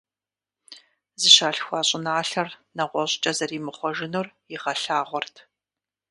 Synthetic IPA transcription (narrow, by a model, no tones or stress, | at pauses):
zɨʃaːɬxʷɑːɕʼɪnaːɬɐrnɐʁʷɔɕʼt͡ʃʼɐzɐriːmɨχʷɔʒɪnorjɪʁɐɬaːʁʷɔrtʰ